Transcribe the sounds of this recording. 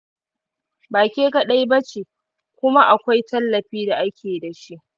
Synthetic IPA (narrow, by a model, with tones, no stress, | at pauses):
baː˨kʲeː˦ka˨ɗa˦jbɐ˦t͡ʃeː˨ | kʷʊ˦ma˦ʔa˨kʷa˦jtʰɐ˦lːɐ˨ɸiː˦da˨ʔa˦kʲʰeː˨da˨ʃi˦ʔ